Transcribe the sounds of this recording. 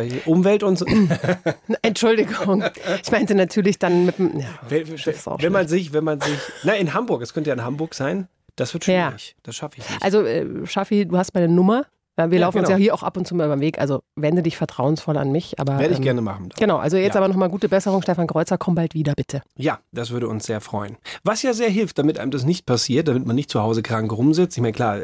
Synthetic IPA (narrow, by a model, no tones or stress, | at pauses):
ʔʊmvɛltʊntz | ʔɛntʃʊldɪɡʊŋʔɪçmaɪntənatʰyːɐlɪçd̥anmɪtm̩jaːvɛʃɛ̥sa̰ʊvɛnmanzɪçvɛnmanzɪçnaɪɪnɦambʊɐk̚askʰœntəjaɪnhambʊɐkz̥aɪn | d̥asv̥ɪɐtʃjaːɪçd̥asʃafəɪçnɪʔa̰lzoʔɛ̰ːʃafiduːhastmaːlnənʊmɐ | aviːɐlaʊfn̩ʊsjahiːɐʔaʊxʔa̰pʊntt͡suːmaːybɐmveːkʔa̰lzovɛndədɪçfɛɐtʁ̥aʊənsfɔla̰nmɪçʔa̰ːbɐeɐəɪçɡ̥ɛɐnəma̰χn̩daɡ̥ənaʊʔa̰lzojɛt͡st͡sʔaːbɐnɔχmaːlɡuːtəbɛsəʁʊŋʃtɛfankʁ̥ɔʏt͡sɐkʰɔmbaltv̥iːdɐb̥ɪtʰəjaːd̥asv̥ʏɐɾəʊnsz̥eːɐfʁ̥ɔʏənvasjaːzeːɐɦɪlftd̥amɪtʔa̰ɪəmdas̬nɪçt̚pʰasiːɐt̚d̥amɪtmanːɪçtt͡suhaʊzəkʁ̥aŋkʁʊmzɪt͡stɪçmaɪnkʰl̥aːɐ